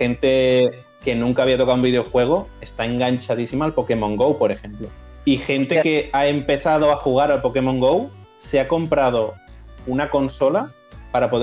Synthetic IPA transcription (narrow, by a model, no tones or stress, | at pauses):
e̞nt̪e̞ | ke̞nũŋkaːβiat̪o̞kaðwumbiðeo̞xwe̞ɣ̞o̞e̞st̪ae̞ŋɡaɲt͡ʃaðisimaːlpo̞ke̞mõ̞ŋɡo̞wpo̞ɾe̞xe̞mplo | ixe̞nt̪e̞ke̞ae̞mpe̞θað̞o̞axuɣ̞aɾalpo̞ke̞mo̞ŋɡo̞wse̞ako̞mpɾað̞o̞unako̞nso̞la | paɾapo̞ð